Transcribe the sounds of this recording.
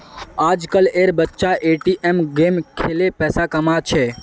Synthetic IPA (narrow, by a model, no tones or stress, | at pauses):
aːd͡ʒkəleːɾbətːʃaʔeːʈiʔemɡeːmkʰeːlepɛːsakəmat͡ʃʰeː